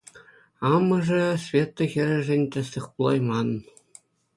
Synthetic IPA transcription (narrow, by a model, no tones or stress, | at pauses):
ɑmɤ̆ʐɘ̆svʲet̪ːŏxʲɘ̆ɾʲɘ̆ʐɘ̆nʲt̪ʲɘ̆sʲlʲɘ̆χpulˠɑjmɑn